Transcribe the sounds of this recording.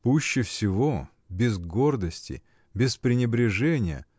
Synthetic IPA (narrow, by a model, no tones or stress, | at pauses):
puɕːɪfsʲɪvo | bʲɪzɡo̞rd̪əsʲtʲɪ̰ | bʲɪspɾʲɪnʲɪbɾʲɪʐɛnʲɪjə̰